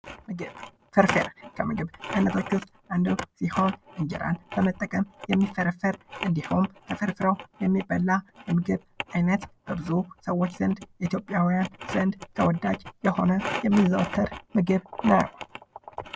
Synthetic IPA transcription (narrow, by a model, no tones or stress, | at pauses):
ɨ | fɨɾfɨ̰ɾkʰəmɨɡɨβʔajnət̪ʰo̞t͡ʃːʊst̪ʼʔand̪usiho̞nɨɲd͡ʒɛ̰ɾa̰nb̥əmət̪ʼːəkʼəmjɛmːifəɾəfəɾʔɨnd̪ihomk̪ʰəfɨɾfɨɾəwjɛmːibəlːajɛmɨɡɨβ | ʔajnət̪b̥əbɨzusəwːo̞t͡ʃːz̥ənd̪jɛʔit̪ʰjo̞pʼjawijanz̥ənd̪t̪ʰəwɔd̪ːad͡ʒjɛho̞nəjɛmːizəwt̪ʰːəɾmɨɡɨβnajəw